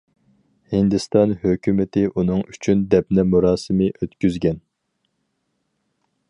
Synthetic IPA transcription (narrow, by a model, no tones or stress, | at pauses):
hind̪ɨst̪ɑnhøkʲʰymɪt̪ʰɪʔunɨŋyt͡ʃʰynd̪ɛpnɪmuɾɑːsɨmɨʔøt̪kʲyzɡʲɛn